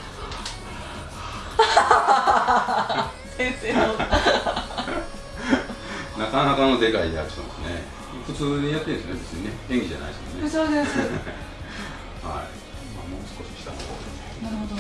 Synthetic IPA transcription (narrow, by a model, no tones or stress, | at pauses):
seseo | nakanakano̞d̪e̞kaid̪eaɾɯ̟̥t̪emasɨnḛ | ɸɯ̟t͡sɨːd̪ijat̪ːeɾ̃snebet͡sɨɲ̟ined̪ẽ̞ŋɡʲid͡ʑa̰na̰id̪esmo̰nesoːd̪esɨ | ha̰ḭ | mamo̰ːsɨ̥ko̞ɕi̥ɕi̥t̪a̰nokoːd̪esenaɾhod̪o